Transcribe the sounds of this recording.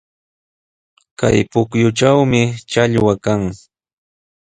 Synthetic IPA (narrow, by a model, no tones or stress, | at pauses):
ka̰jpʊkjʊʈ͡ʂawmɪt͡ʃaʎwakaŋ